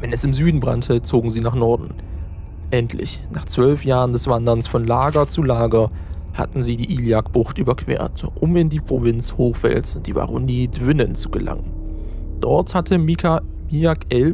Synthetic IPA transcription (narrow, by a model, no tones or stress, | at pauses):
vɛnɛsɪmzyːdn̩bʁa̰ntʰət͡soːɡŋ̩ziːnaːχnɔɐdn̩ | ʔɛntʰlɪ̰ç | naːχt͡sv̥œlfjaːʁəndɛsv̥andɐnsfɔnlaːɡɐt͡sulaːɡɐha̰tn̩ziːdiːʔiːljakb̥ʊχtʔyːbɐkʰv̥ḛːɐtʔʊmɪndiːpʁ̥ovɪnt͡shoːxv̥ɛ̰lsʊnt̚d̥iːva̰ːʁʊniːtvɪnənt͡su̥ɡəla̰ŋən | d̥ɔɐthatʰəmia | miakɛl